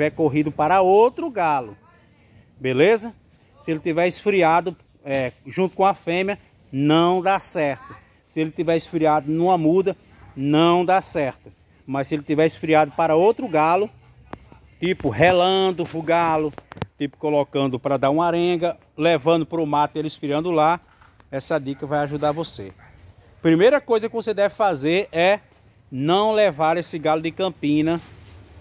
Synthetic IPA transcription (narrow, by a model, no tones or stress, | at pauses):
vɛɾkoɦid̪ʊpaɾɐowt̪ɾʊɡalʊ | belezɐ | sɪelɪt̪ivɛɾisfɾiad̪ʊ | ɛʒũt̪ʊ̥kõɐfẽmjɐ | nɐ̃w̃d̪asɛɾt̪ʊ | sɪelɪt̪ivɛɾɪsfɾiad̪ʊnũɐmud̪ɐ | nɐ̃w̃d̪asɛɾt̪ʊ | mɐsɪelɪt̪ivɛɾisfɾiad̪ʊpaɾɐowt̪ɾʊɡalʊ | t̪ipʊɦelɐ̃d̪ʊfuɡalʊt̪ipʊ̥kolokɐ̃nd̪ʊpɾɐd̪aɾũaɾẽɡɐ | levɐ̃d̪ʊpɾʊmat̪elɪsfɾiɐ̃nd̪ʊla | ɛsɐd̪ikɐvajaʒud̪aɾvose | pɾimejɾɐkojzɐkɪvosed̪ɛvɪfazeɾɛ | nɐ̃w̃levaɾesɪɡalʊd̪ɪkɐ̃pĩnɐ